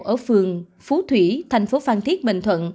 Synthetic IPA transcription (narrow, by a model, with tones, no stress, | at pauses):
ʔəː˧˩fɨ˨˩əŋ | fu˨˦t̪ʰwi˧˩t̪ʰɛ˨˩jŋ̟fo˨˦faː˧˩nt̪i˦˥ət̚ɓḭ˧˨˩ŋ̟t̪ʰwə̰˧˨n